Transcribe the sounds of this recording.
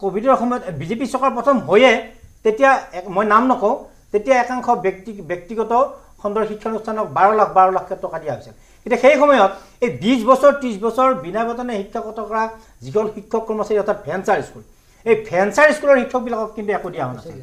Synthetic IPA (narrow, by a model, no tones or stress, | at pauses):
kobʱidɔɹxɔmɔjɔtbizepisɔkaɹpɹɔtʰɔmɦojɛtetijamojnamnɔkɔʊ̃ | tetijaɛkaŋkʰɔbtibjɔk̚tiɡɔtɔ | xɔndɔɹxikʰːɔnustʰanɔk̚baɹɔlakʰbaɹɔlakʰːɛtɹɔkadijaɦojsil | kintuxejxɔmɔjɔtejbisbɔsɔɹtisbɔsɔɹbinabatɔnɛxikʰːakɔtɔkɔɹa | zikʰɔnxikʰːɔkːɔɹmɔsaɹiɔtʰat̚bʰʱɛnsaɹiskul | ejbʰʱɛnsaɹiskulɔɹxikʰːɔk̚bilakɔkkintuɛkodijaɦɔna̰sḭl